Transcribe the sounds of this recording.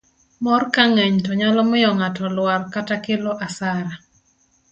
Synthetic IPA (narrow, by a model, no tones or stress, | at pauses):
mɔrkaŋeɲtɔɲalɔmɪjɔŋatɔlwalkatakɪlɔʔasaɾa